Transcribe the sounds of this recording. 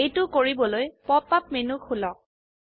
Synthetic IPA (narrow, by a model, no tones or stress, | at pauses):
ejtʊkoɹibɔlojpɔpːapmenukʰulɔk̚